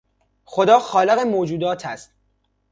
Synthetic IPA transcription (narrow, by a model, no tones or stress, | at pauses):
xod̪ɒːxɒːleɣemoːd͡ʒuːd̪ɒːt̪ʰæst̪